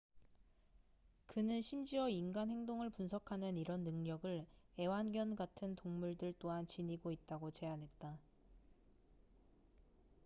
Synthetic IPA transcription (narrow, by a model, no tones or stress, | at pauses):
kɯnɯnɕʰimd͡ʑiwʌinɡanhe̞ŋdoŋɯɭpunsʰʌkʰanɯniɾʌnːɯŋɲʌɡɯɭe̞wanɡjʌnɡatʰɯntoŋmuɭdɯɭt͈oɦant͡ɕiɲiɡoit̚t͈aɡot͡ɕe̞anɦe̞t̚t͈a